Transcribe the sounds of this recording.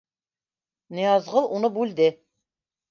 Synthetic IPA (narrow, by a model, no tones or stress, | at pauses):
nɤ̆jɑzʁɤlˠʔunɤbʉld̪ɘ